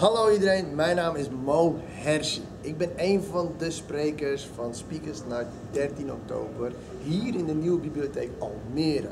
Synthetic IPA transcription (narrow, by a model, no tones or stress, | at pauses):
halowidəɾejnmɛjnaːmɪsmowɦɛrsə | ɪɡ̚bɪnejnvɑndəsprejkəɹsfɑnspikəsnatdɛrtinɔ̰k̚to̰ːbər | ɦiːrɪndəniwəbiblioteːkɑ̰lˠmɪːɾ